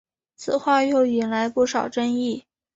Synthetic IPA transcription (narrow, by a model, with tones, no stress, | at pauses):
t͡sʰɹ̩˨˩xwa˥˧jo˥˧ʊi˨˩nla˧˥ɪpu˥˩ʂɑ˨˩ʊʈ͡ʂə˥ŋi˥˩